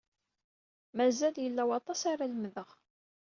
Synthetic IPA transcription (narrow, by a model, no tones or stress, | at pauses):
mæzæljəlːæwɑt̪ˤɑsaɾaləmðəʁ